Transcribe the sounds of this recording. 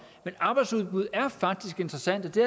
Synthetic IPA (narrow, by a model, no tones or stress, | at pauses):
menɑ̈ːb̥ɑ̈ɪd̥suð̞ˠb̥uð̰ˠæɐfɑ̈ɡ̥̚d̥isɡ̥e̝nd̥ʁɐsæn̰d̥ɒ̽d̥e